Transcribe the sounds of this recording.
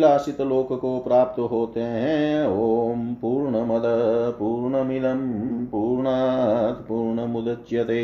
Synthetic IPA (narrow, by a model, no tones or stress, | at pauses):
laːsit̪loːkkopɾaːp̚t̪ɦoːt̪eɦɛ̃ːoːmpuːɾɳɐmɐd̪ɐd̪puːɾɳɐmid̪ɐmpuːɾɳad̪puːɾɳɐmud̪ɐt͡ʃjɐt̪eː